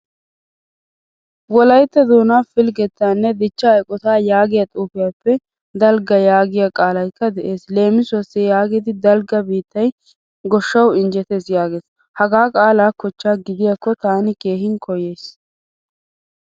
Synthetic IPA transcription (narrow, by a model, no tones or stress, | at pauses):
wɔlɐjt̪ːɐd̪oːnaːfɪlɡɛt̪ːaːnːɛd̪ɪt͡ʃːɐːjkʼɔt̪aːjaːɡɪjɐt̪ʼuːfɪjaːpːɛ | d̪ɐlɡɐjaːɡɪjakʼaːlɐjkːɐd̪ɛʔe̞ːsle̞ːmɪsʊwɐsːɪjaːɡɪd̪ɪd̪ɐlɡɐbiːt̪ːɐj | ɡɔʃːɐwɪnd͡ʒɛt̪e̞ːsjaːɡe̞ːs | hɐɡaːkʼaːlaːkɔt͡ʃːaːɡɪd̪ɪjɐkːɔt̪aːnɪke̞ːɦɪŋkʰɔje̞ːs